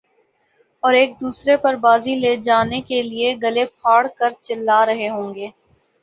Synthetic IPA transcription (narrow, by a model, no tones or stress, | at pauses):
ɔːɾeːk̚d̪uːsɾepɐɾbaːzileːd͡ʒaːnekelieɡɐlepʰaːɽkɐɾt͡ʃɪlːaːɾɐɦeɦõːŋɡeː